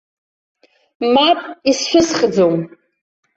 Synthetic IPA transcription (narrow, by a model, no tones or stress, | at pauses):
mapʼisʃʷᶣʊsχd͡zom